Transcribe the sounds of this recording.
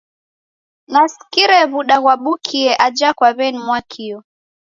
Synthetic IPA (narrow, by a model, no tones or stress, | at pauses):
nasi̥kiɾɛβuɗaɣwaɓukʰiɛʔad͡ʒakwaβɛnimwakʰiɔ